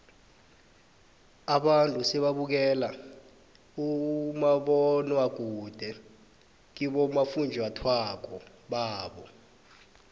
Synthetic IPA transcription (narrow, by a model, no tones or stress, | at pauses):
aɓantʼusɛɓaɓuk̬ɛla | umaɓɔnwaɡ̥̬ʱud̥ʱɛ | k̬iɓɔmafund͡ʒʱatʰwak̬ɔ | ɓaːɓɔ